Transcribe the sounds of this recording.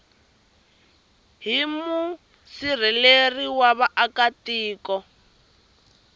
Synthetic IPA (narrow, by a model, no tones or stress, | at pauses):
ɦimu | sir̤ɛleriwaβaʔakatiːkɔ